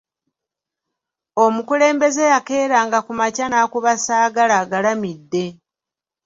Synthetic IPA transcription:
o̞mukule̞ːmbe̞ze̞jake̞ːɾaːŋɡakumacanakuβasaːɡalaɡalamidːe̞

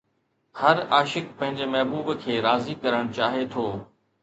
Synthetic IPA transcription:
hɐɾaːʃɪkpɐ̃ɦɪ̃ɲd͡ʑemɐɦbuːbkʰeːɾaːzikɐɾəɽ̃ʊt͡ɕaːɦet̪ʰoː

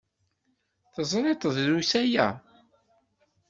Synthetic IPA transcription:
θəzˤɾˤet̪ˤəðɾusæjæ̰

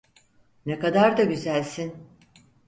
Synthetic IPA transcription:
nekad̪aɾd̪aɟyzælʲsin

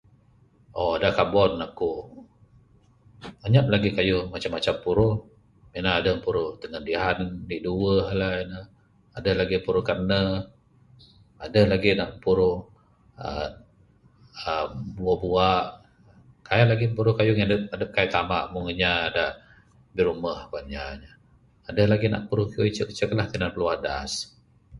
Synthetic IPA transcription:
ʔoadakabɔnːaku | aɲap̚laɡikajʊhmat͡ʃamːat͡ʃampuɾʊh | minaːdəmpuɾʊht̪əŋəndiɦandiʔduəɦlainə | adəhlaɡipuɾʊhkarnə | adəhlaɡinaʔpuɾʊh | ə̰ | əbuabuaʔ | kajanlaɡimpuɾʊhkajʊŋjadəadəp̚kajt̪ama̰ʔmʊŋəɲaːdaʔ | biɾuməhkuanɲaɲaː | dəhlaɡina̰ʔ̚puɾʊhkioit͡ʃəkət͡ʃəklahk̪ənanpəluada̰s

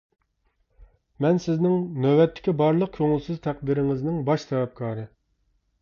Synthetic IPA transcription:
mɛnsɪznɪŋnøwɛt̪ʰːɪ̥kʲibɑɾlˠəq̚kʲʰoŋɪlˠsɨzt̪ʰæq̚d̪ɪɾɪŋɪznɪŋbɑʃt̪ɛwɛp̚kʰɑːɾɨ

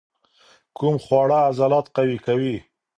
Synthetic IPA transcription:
kumχwɑɽaːzalɑt̪̚qawikawi

